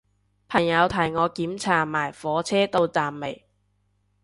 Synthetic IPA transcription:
pʰɐ˨˩ŋjɐ˨˧wt̪ʰɐ˨˩jŋɔː˨˧kiː˨˥mt͡sʰaː˨˩maː˨˩jfɔː˨˥t͡sʰɛː˥t̪o˧wt͡saː˨mme˨˩j

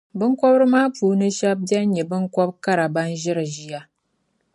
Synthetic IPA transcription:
bɨ˦ŋkʷɔ˦bɾmaː˦puː˨nɨ˦ʃa˦b̚ba˦ɲɲɛ˨bɨ˦ŋkʷɔ˦b̚ka˦ɾa˨ba˦nʒɪ˦ɾa˨ʒi˦ja˦

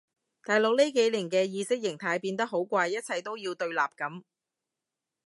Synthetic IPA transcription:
t̪aː˨˩jlo˨˥k̚le˥jke˨˥jliː˨˩ŋkɛː˧jiː˧sɪ˥k̚jɪ˨˩ŋt̪ʰaː˧jpiː˧nt̪ɐ˥k̚ɦo˨˥wkʷaː˧jːɐ˥t̚t͡sʰɐ˧jt̪o˥wjiː˧wt̪ɵ˧ɥlaː˨p̚kɐ˨˥m

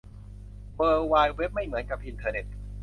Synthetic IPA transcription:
wɤː˧waː˧jwe˦˥p̚ma˥˩jmɯ˩˦ənka˨˩p̚ʔi˧nt̪ʰɤː˧ne˨˩t̪̚

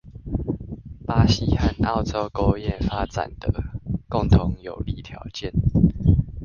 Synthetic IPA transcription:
pa˦ɕi˦xa˦nɑ˥˨ʊt͡so˦ʊko˦ʊjɛ˥˨nfa˦t͡sa̰˨˩nd̪̥ə˦kʊ˥˨ŋt̪ʰʊ˨˧˦ŋjo˨˩ʊli˧˩t̪ʰjɑ˨˧˦ʊt͡ɕjɛ˥˨n

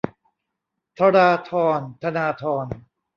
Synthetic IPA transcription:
t̪ʰa˧ɾaː˧t̪ʰɔː˧nt̪ʰa˧naː˧t̪ʰɔː˧n

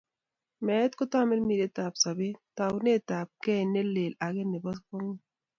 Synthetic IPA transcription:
mɛ˨˦t̪ko˦ta˦me˦lmi˨ɾe˦t̪a˨psa˨be˦ta˨wne˦taː˨p̚kɛ˦˨ne˦lːe˨la˨ɡe˦ne˨bɔ˦s̬ko˦ŋi˦

